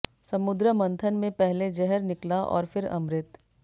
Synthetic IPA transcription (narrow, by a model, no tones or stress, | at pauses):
sɐmʊd̪ɾəmɐ̃nt̪ʰənmẽpɛɦled͡ʒɛɦəɾnɪklaʔɔ̰ːɾfɪɾɐ̰̃mɾɪt̪